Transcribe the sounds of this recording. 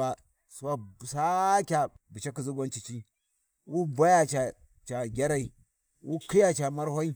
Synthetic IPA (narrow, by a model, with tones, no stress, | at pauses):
a˨ | su˦wa˦˨sa˦kʲa˨bi˨t͡ʃa˦ki˨zu˦ɡʷa˦nt͡ʃi˨t͡ʃi˦ | wu˦ba˦ja˨t͡ʃa˨ | t͡ʃa˨ɡʲa˦ɾa˦i˨ | wu˦ki˦ja˦t͡ʃa˨ma˦ɾho˦i˦